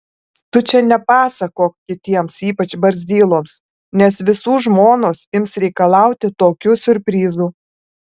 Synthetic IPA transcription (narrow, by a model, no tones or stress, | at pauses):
t̪ʊt͡ʃʲɛnʲɛpɑːsɐkoːkʲɪt̪ʲiɛmsiːpɐt͡ʃbɐɾʲzʲd̪ʲiːlˠoːms | nʲɛsʋʲɪsuːʒmoːnoːsɪmsɾʲɛɪkɐlˠɑˑʊt̪ʲɪt̪oːkʲʊsʊɾʲpʲɾʲiːzuː